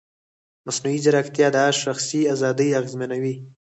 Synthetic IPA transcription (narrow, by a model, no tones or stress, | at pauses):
masnuizaɾakt̪jɑd̪əaʃaxsiazɑd̪əjaɣzmanawi